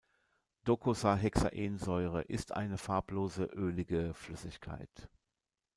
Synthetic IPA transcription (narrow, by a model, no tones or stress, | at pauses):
d̥okʰosaɦɛksa̰ʔeːnzɔʏʁ̞ə̰ʔɪstʔa̰ɪnəfaɐpʰloːzəʔøːlɪɡəflʏsɪçkʰa̰ɪt